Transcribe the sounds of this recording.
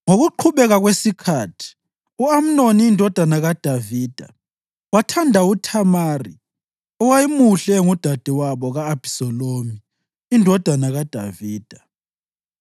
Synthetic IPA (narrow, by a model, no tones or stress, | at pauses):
ŋoɣuǃʰuβɛɣaɣwesikʰaːtʰi̥ | uam̩noniːndʱɔd̥ʱanaɣad̥ʱaviːd̥ʱa̰ | watʰandʱautʰamaːri | ɔwajimuɬɛŋud̥ʱad̥ʱiwaβɔɣaːb̥ʱi̥sɔlomi | indʱɔd̥ʱanaɣad̥ʱaviːd̥ʱa